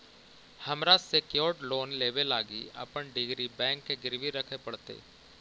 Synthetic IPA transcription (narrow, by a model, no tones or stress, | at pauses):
hɐmɾaːsekjoːɾʈloːnleːʋelaːɡḭɐ̰pəɳɖɪɡɾibɛ̃ːŋkːeɡɪɾʋiɾɐkʰepəɽt̪ḛː